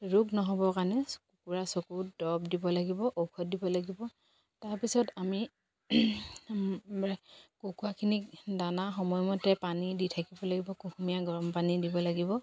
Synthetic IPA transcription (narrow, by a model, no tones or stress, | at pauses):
ɹuɡnɔɦɔbɔkaɹnɛkukuɹasokudɔbdibɔlaɡibɔʔowkʰɔt̚dibɔlaɡibɔ | taɹpisɔtami | kukuakʰinidanaxɔmɔjmɔtɛpaniditʰakibɔlaɡibɔkukʰumijaɡɔɹɔmpanidibɔlaɡibɔ